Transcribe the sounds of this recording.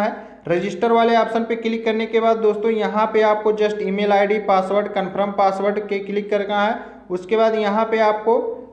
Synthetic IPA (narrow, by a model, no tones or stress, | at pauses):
ɦɛː | ɾɪd͡ʒɪsʈəɾʋaːleaːpsənpekɪlɪkːɐɾnekebaːd̪̚ːoːst̪õjɐɦãpeaːp̚kod͡ʒɐsʈiːmeːlaːɪɖipaːsʋəɾɖkənpʰɾəmpaːsʋəɾɖkekɪlɪkːɐɾkãɦɛː | ʊskebaːd̪jɐɦãpeaːp̚ko